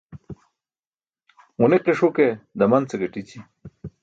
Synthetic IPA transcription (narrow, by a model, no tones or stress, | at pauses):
uneqiʂuked̪ɐmɐnt͡seɡeʈit͡ɕi